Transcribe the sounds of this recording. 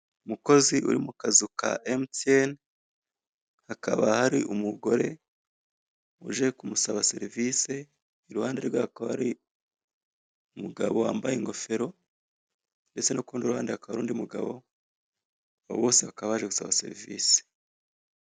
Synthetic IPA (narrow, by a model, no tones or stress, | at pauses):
umuko̞ziʔṵɾimukazukʰa̰ʔemten | hakʰaβahaɾiumuɡo̞ɾe̞ | uʒe̞kumusaβase̞ɾivise̞ | iɾuhaːnde̞ɾwaːhakaβahaɾi | umuɡa̰βo̞wa̰ːmbajeŋɡo̞fe̞ɾo̞ | nde̞t͡se̞nukuːnduɾuhaːndehakaβaɾuːndiumuɡa̰βo̞̰ | aβo̰βo̞ːseβakaβahaʒeɡusaβase̞̰ɾivḭːse̥